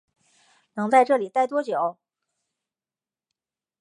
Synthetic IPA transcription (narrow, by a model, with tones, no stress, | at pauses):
nɤ˧˥ŋt͡sa˥˧ɪʈ͡ʂɤ˥˩li˨˩t̪a˥˩ɪt̪wɔ˥t͡ɕjo˨˩˦ʊ